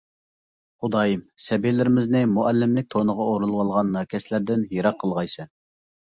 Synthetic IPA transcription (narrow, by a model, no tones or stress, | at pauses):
χʊd̪ɑːjimsɛbilɪɾɪmɪznɪmuʔɛlːɪmlɪk̚ʲt̪ʰonəʁɑoɾulˠwɑlˠʁɑnːɑkʲʰɛslæɾd̪ɪnjiɾɑqʰːəlˠʁɑjsɛn